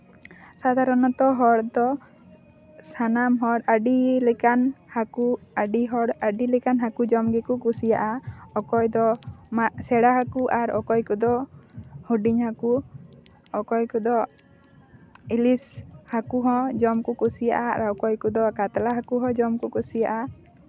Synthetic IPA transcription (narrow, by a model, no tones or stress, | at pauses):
sad̪ʱaɾɔnɔt̪ɔɦɔɽd̪ɔ | sanamɦɔɽaɖilɛkanhakuaɖiɦɔɽaɖilɛkanɦakud͡ʒɔmɡɛkukusijaʔaɔkɔjd̪ɔmaʔsɛɽaɦakuʔaɾɔ̰kɔjkud̪ɔ | huɖiɲhaku | ɔkɔjkud̪ɔ | ilishakuɦɔ̃d͡ʒɔmkukusija̰ʔa̰ɾawkɔjkud̪ɔkat̪alaɦakuɦɔ̃d͡ʒɔmkukusijaʔa